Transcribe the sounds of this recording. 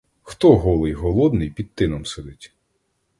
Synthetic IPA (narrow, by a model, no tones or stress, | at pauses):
xt̪ɔɦɔlˠɪjɦɔlˠɔd̪nɪjpʲid̪̚t̪ɪnɔmsed̪ɪtʲ